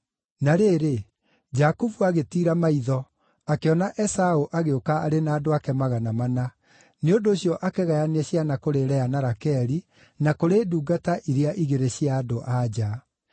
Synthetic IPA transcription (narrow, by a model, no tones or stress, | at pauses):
naɾeːɾe | d͡ʑakuvuaɣetiːɾamaiðɔ | akeɔnaʔɛsaoʔaɣeokaaɾenaːdoakɛmaɣanamana | neondoːɕjɔʔakeɣajanɛɕjanakoɾeɾɛanaɾakɛɾi | nakoɾeːduːɡataʔiɾeaʔiɣeɾeɕiaːdoʔad͡ʑa